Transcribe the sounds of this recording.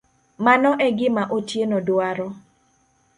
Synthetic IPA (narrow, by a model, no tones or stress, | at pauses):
manɔʔɛɡɪmaʔotjenɔdwaɾɔ